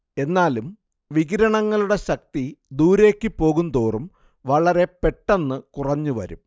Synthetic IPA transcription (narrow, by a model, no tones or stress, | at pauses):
e̞nːaːlum | ʋiɡiɾɐɳɐŋːɐɭuɽe̞ɕɐk̚t̪id̪uːɾe̞ːkːipːo̞ːɣund̪o̞ːrum | ʋɐɭɐɾe̞pe̞ʈːenːɨkurɐɲːuʋɐ̰ɾṵm